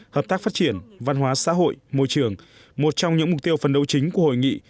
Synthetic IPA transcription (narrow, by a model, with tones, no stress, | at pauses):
həː˨˩p̚t̪aː˦˥kfa˦˥t̚t͡ɕi˧˩ənva˧nɦwaː˨˦sa̰ː˧˥ɦo̰˧˨jmo̰˧˨jt͡ɕɨ˧˩əŋ | mo˨˩t̚t͡ɕɔ˧wŋ͡mɲɨ̰˧˥ŋm˨˩k͡p̚t̪i˧əwfə˨˩nɗə˧˩wt͡ɕï˨˦ŋ̟ku˧˩ə˩ho̰˧˨jŋḭ˧˨